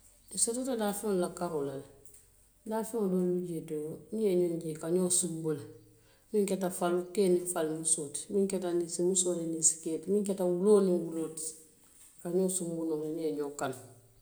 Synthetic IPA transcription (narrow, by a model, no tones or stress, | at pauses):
isetotadafiŋolakaɾolal | dafiŋodoːluɟetonijeɲonɟikaɲoːsumbul | miŋketafalukeːnifalmusoːtmiŋketanisimusoːtenisi̥ketmiŋk̬etawuloːniwuloːt | kaɲoːsumbunolenieɲoːkan